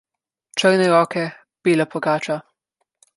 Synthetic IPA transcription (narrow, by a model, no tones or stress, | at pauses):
t͡ʃəɾnɛɾɔːkɛ | b̥iːlapɔɡaːt͡ʃa